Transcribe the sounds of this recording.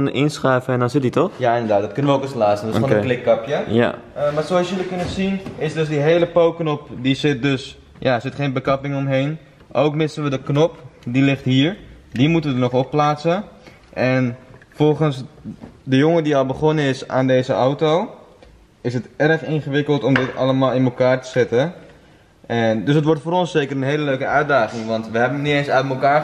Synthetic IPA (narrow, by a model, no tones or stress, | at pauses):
nʔɪnsχɛjvəɛndɔnzɪt̚ditɔxjaɪndəɹdaːt̚dɔt̚kɵnəʋəokəslaːstəndfɔnklɪkːəpjəa̰ | əmaːsoɑsjələkʏnəzinɪsdøsdiɦejləpowknɔpdisɪt̚døs | jʔaəsɪtχejnbəkɑpɪŋɔmɦejn | ʔowkmɪsənʋədəknɔpdilɪχtɦiːɹ | dimutənʋədənɔχɔpːlaːtsə | ʔɛnfɔlˠχənsdəjʊŋədiɑlˠbəχɔnəɪsa̰ːndejzəʔawtow | ɪsətɛrəχɪnχəʋɪkəlˠtɔmdɪtɑ̰lˠəmaːlˠɪnməlˠkaːɹtə̥z̥ɪtə | ɛdøsətʋɔɹtfoːɾɔnsejkərənɦeːləløɥkəœɥdaːχɪŋʋɑntʋəɦɛbənnitensœtməlˠkaː